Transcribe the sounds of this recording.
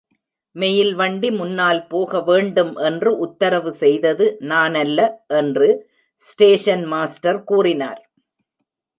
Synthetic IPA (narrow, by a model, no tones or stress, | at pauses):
mɛjɪlʋɐɳɖimʊnːaːlpoːɣɐʋeːɳɖɯmʔɛndrɯʔʊt̪ːɐɾɐʋɯsɛjðɐðɯnaːnɐlːɐʔɛndrɯ | sʈeːʂɐnmaːsʈɐɾkuːrɪna̰ːɾ